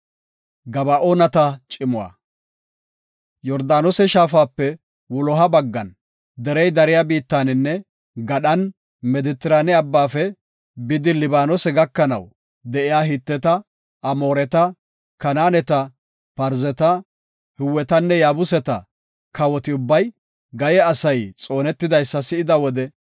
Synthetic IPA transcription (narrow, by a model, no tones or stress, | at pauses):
ɡɐbɐʔoːnɐt̪ɐt͡ʃʼɪmʊwa̰ː | jɔɾd̪aːnɔsɛʃaːfaːpːɛ | wʊlɔɦɐbɐɡːɐ̰n | d̪ɛɾɛjd̪ɐɾɪjabiːt̪ːaːnɪnːɛ | ɡɐɗɐn | mɛd̪ɪt̪ːɪɾaːnɪɐbːaːfɛ | bɪd̪ɪlɪbaːnɔsɛɡɐkːɐnɐ̰w | d̪ɛʔɪjaːɦɪt̪ːɛt̪ɐ | ʔɐmo̞ːɾɛt̪ɐ | kɐnaːnɛt̪ɐ | pɐɾzɛt̪ɐ | hɪwːɛt̪ɐnːɛjaːbʊsɛt̪ɐ | kʰɐwɔt̪ɪʊbːɐj | ɡɐjɛɐsɐjt͡sʼo̞ːnɛt̪ːɪd̪ɐjsːɐsɪɪd̪ɐwɔd̪ɛ